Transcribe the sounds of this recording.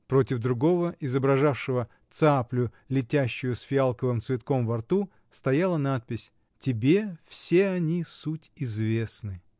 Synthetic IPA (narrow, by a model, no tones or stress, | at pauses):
pɾo̞tʲɪvd̪ɾʊɡo̞vəʔɪzəbɾɐʐafʂɨvə | t̪saplʲʊ | lʲɪtʲæɕːʊjʊsfʲɪalˠkəvɨmt̪svʲɪt̪ko̞mvɐrt̪u | st̪ɐjalˠənat̪̚pʲɪsʲ | tʲɪbʲefsʲe̞ɐnʲisutʲɪzvʲe̞snɨ